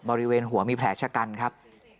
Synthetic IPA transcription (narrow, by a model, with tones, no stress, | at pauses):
bɔː˧ɾi˦˥weː˧nɦu˩˦ɐmiː˧pʰlɛː˩˦t͡ɕʰa˧˥ka˧nkʰa˦˥p̚